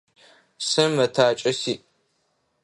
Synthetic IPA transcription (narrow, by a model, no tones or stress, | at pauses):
sɨmɐtʰaːt͡ʃʼɐsiː